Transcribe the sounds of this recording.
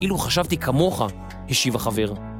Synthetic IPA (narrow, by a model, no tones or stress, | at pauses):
ʔiluχaʃavt̪ikʰamo̞χa | heʃivaχave̞ʁ